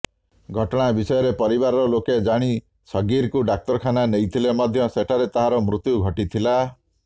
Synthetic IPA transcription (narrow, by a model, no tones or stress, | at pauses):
ɡʱɔʈɔɽ̃abisɔjɔɾepɔɾibaɾɔɾɔloked͡ʒaɽ̃i | sɔɡiɾkuɖak̚tɔɾɔkʰananejt̪ʰilemɔd̪ʱjɔseʈʰaɾet̪aɦaɾɔmɾut̪juɡʱɔʈit̪ʰila